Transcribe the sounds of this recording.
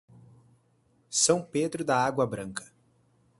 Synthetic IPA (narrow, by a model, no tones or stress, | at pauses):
sɐ̃w̃ped̪ɾʊd̪ɐaɡwɐbɾɐ̃ŋkʰɐ̥